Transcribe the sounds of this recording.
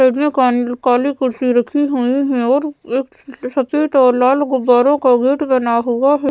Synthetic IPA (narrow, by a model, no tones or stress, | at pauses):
eːɖmẽkːkaːlikʊɾsiɾɐkʰiɦoiɦɛ̃ɔːɾeːk | sɐt̪eʈ̪ɔːlaːlɡʊbːaːɾõkaɡeːʈbɐnaɦʊaɦɛ